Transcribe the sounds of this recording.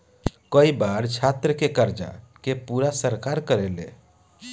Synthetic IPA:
kəibaɾt͡ʃʰat̪ɾəkekəɾd͡ʒa̰kepuɾasəɾkaɾkəɾelḛ

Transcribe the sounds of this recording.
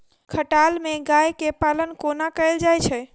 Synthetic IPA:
kʰəʈalmẽɡajkepalənkonakəld͡ʒajt͡ʃʰɛ

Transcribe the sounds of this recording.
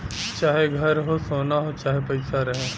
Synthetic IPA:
t͡ʃaːɦeɡʱɐɾɦosoːnaɦot͡ʃaːɦepɐɪsaɾɐɦe

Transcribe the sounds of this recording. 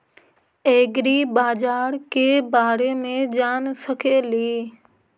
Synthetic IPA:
eːɡɾiːbaːd͡ʒaːɾkeːbaːɾemẽd͡ʑaːnsɐkʰeːliː

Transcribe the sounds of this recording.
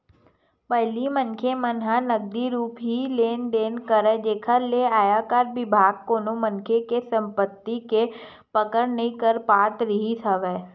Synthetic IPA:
pəɦɪlimənkʰemənɦanəɡ̚d̪iɾuːpɦileːnd̪eːnkəɾɛd͡ʒeːkʰəɾleaːjakaɾbɪbʱaːɡ̚koːnomənkʰekesə̃mpət̪ːike | pəkəɾnəɦĩkəɾpaːt̪ɾəɦisʰəʋɛː

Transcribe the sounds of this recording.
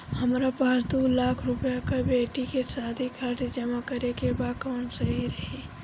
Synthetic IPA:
həmɾapaɾt̪ulaːkʰɾʊpjakabeːʈikesaːd̪ʱikʰaɾʈd͡ʒəmakəɾekebaːkɔːnsɐɦiɾəɦi

